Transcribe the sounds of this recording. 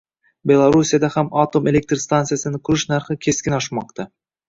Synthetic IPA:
be̞lˠaɾusijad̪ahamat̪o̞me̞lʲe̞k̚t̪ɾst̪ant̪sɨjasɪnɪkʰʊɾɪʃnaɾχɪkʲʰe̞skʲɪnɒʃmɒq̚t̪ʰa

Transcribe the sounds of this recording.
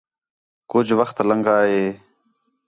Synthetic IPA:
kʊd͡ʒʋəxt̪ləŋɡaːɦeː

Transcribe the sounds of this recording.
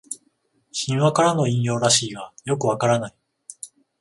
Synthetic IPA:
ɕĩɰ̃βakaɾano̞ĩɰ̃jo̞ːɾaɕiːɡajo̞kɯ̟β̞akaɾanai

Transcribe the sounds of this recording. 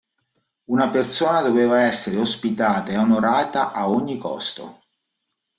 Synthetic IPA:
unapert̪soːnad̪oveːvaɛsːeɾeospit̪aːt̪aeonoɾaːt̪aʔaoɲːikɔ̰st̪o̰

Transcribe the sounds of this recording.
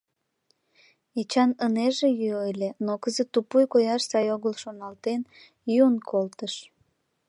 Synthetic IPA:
et͡ɕɑnəneʒejyojlʲenokəzət̪ːupujkojɑʃsɑjoɣəlʃonɑlt̪en | junkʰolt̪əʃ

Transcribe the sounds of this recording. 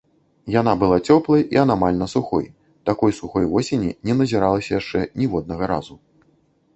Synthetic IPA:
jan̪abɨlˠat͡sʲɔplˠɐjḭanamalʲnɐsuxɔ̰j | t̪akɔjsuxɔjvɔsʲenʲḭnʲɛnɐzʲiɾalˠɐsʲɐjaʂt͡ʂɛnʲivɔd̪nɐɣɐɾa̰zu

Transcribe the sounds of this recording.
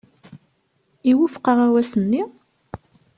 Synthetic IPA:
iwufqəʁæwæsənːi

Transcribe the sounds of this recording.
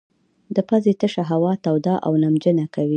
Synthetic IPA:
d̪əpazet̪əʃaɦawɑt̪awd̪ɑʔa̰wnamd͡ʒənakawi

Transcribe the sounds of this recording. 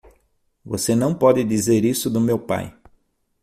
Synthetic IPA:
vosenɐ̃w̃pɔd̪ɪd̪izeɾisʊd̪ʊmewpa̰j

